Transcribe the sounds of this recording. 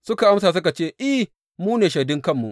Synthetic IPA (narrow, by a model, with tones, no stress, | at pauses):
sʊ˦ka˨ʔa˦msaː˨s̬ʊ˦ka˨t͡ʃeː˦˨ʔɪ˦ | muː˦neː˨ʃɐ˨dɪ˦ŋkɐ˦˨mːṵ˨ʔ